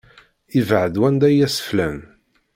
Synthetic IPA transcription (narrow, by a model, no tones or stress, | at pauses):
ivʕəd̪wænd̪æjæsə̥flæm